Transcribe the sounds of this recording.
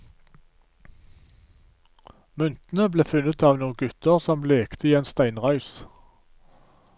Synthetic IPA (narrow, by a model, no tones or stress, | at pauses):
mʉnt̪n̩əbleːfʉnət̪ʰɑːʋnuːnɡʉt̪əʁsɔmleːkt̪ʰəiːeːnst̪æɪnʁɑʉs